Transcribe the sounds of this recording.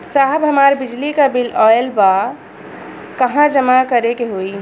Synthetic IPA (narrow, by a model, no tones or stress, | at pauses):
saɦbɦəmaɾbid͡ʒlikabilɔelba | kəɦãd͡ʒəmakəɾekeɦoi